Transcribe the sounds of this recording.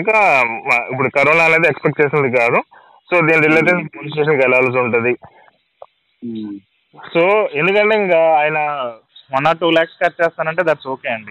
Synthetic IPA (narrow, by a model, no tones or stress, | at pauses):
iŋkɐ | ipːuɽukɐɾɐlɐne̞ːd̪iekspekʈ̚t͡ʃeːsinɐd̪ik̬aːd̪u | so̞ːd̪iːniɾilːeʈ̪espoːlisʈeːʂ̬ɐnkɛlɐaːlɐs̬uɳʈund̪i | soːe̞nd̪ukɐɳʈeiŋkɐaːjɐnɐ | mɔnːaːʈuːlaːkskaːɾt͡ʃɛːst̪aːnɐɳʈeːd̪ɐʈsoːkeːɐɳɖi